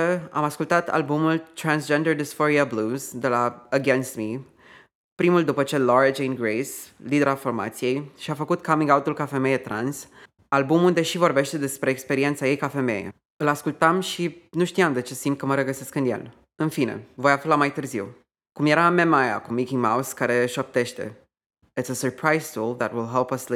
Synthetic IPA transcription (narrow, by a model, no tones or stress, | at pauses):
əa̰maskult̪at̪ʰa̰lbumult̪ɾansd͡ʒend̪ərd̪isfoɾiabluzd̪e̞laəɡenst̪mi | pɾimuld̪upət͡ʃe̞loɾad͡ʒejnɡɾejslid̪eɾafo̞rma̰t̪sije̞jʃiafəkut̪kʰamĩŋɡawt̪ulkafe̞me̞jet̪ɾa̰ns | albumund̪e̞ʃivo̞rbe̞ʃt̪e̞d̪e̞spɾe̞ːkspe̞ɾie̞nt̪saje̞jkafe̞me̞̰jḛ | ɨlaskult̪amʃinuʃt̪ijamd̪e̞t͡ʃe̞simt̪̚kəməɾəɡəseskɨnjḛl | ɨnfinḛvo̞jaflamajt̪ɨrziw | kumje̞ɾamemaja̰kumikʲiŋmawskaɾe̞ʃop̚t̪e̞ʃt̪e̞̰ | ɪtsəsə˞pʰɹajstulˠðæt̪wilˠɦɛlpəsli